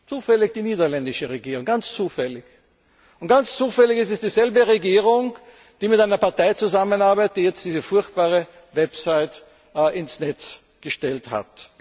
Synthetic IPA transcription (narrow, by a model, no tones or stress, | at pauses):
t͡suːfɛlɪçd̥iːniːdɐlɛndɪʃəʁeɡiːʁʊŋɡant͡st͡suːfɛlɪç | ʊntɡ̥ant͡st͡suːfɛlɪçɪstɛsd̥iːzɛlbəʁeɡiːʁʊŋ | d̥iːmɪtaɪnɐpaɐtaɪt͡suzamənaɐbaɪt̚d̥iːjɛt͡st̚d̥iːzəfʊɐçt̚b̥aːʁə | vɛpsaɪt | ɪnsnɛt͡s | ɡ̥əʃtɛltha̰t